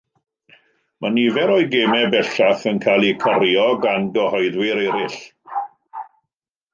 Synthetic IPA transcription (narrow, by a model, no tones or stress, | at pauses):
mʔanivɛɾoɨɡeːmɛbɛɬaθənkʰaːlˠikʰɔɾjɔɡanɡɔhɔɨðwɪɾɛɾɪɬ